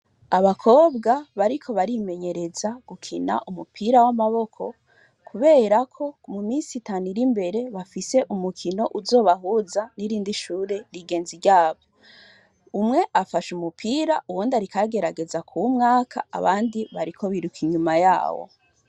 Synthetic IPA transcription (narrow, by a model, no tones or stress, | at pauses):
aβakʰo̞ːbɡaβaɾikʰo̞βaɾime̞ɲe̞ɾe̞zaɡ̥ukʰina̰ʔumupʰiɾawamaβo̞kʰo̞̰ | kʰuβe̞ːɾakʰo̞mumiːnsitaːnuɾimbe̞ɾe̞βafise̞ʔumukʰino̞ʔuzo̞ːβaɦuzaniɾiːndiʃuːɾe̞ɾiɡe̞ːnziɾɟaːβo̞ | umŋe̞ʔafaʃumupʰiːɾaʔuwoːndaɾikaɡe̞ɾaɡe̞zakʰumŋaːkʰa̰a̰βa̰ːndiβaɾikʰo̞βiɾukʰiɲumaja̰ːwo̰